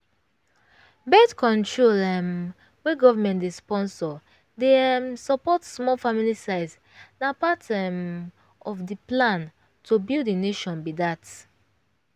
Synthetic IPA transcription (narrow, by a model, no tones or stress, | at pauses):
bɛdkɔ̃ntɹolɛm | wɛɡɔvamɛ̃ntispɔ̃nsɔ | demsɔpɔtsmɔlfamilisaɪts | napatɛm | ɔfdiplãn | tʰubildineʃɔ̃nbidat